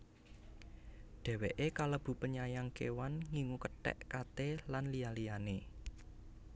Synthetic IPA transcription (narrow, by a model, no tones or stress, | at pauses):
ɖ̪̥ɛ̤weʔekaləb̥ṳpəɲajaŋkḛwanŋiŋukəʈɛ̰ʔkat̪elanlijalijane